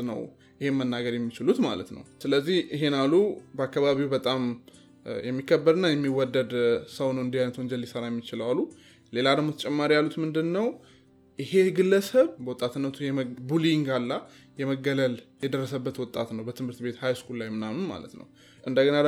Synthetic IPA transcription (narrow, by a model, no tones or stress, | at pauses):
nə̰w | ʔɪhe̞mənːaɡəɾjɛmːit͡ʃɪlut̪ma̰lə̰t̪nə̰wsɨləzːihiɦe̞nalːubəakːaβaβiwbət̪ʼam | jɛmːikʰːəbːəɾɨnːajɛmːiwɔd̪ːəd̪səwnəwɨnd̪ihajnət̪wɔnɲd͡ʒɛlːisəɾajɛmːit͡ʃɪləwalːu | le̞lad̪əɡmo̞t̪ʰət͡ʃʼɛmːaɾijalːut̪mɨnd̪ɨnːəw | ʔɪhe̞ɡɨlːəsəβbəwʊt̪ʼːat̪ɨnːət̪ʰujɛbuliŋɡalːa | jɛməɡːələljɛd̪ərːəsəbːət̪wɔt̪ʼat̪nəwbət̪ʰɨmhɨɾt̪be̞t̪hajskʰullajmːɨnamɨnma̰lə̰t̪nə̰w | ʔɨnd̪əɡəna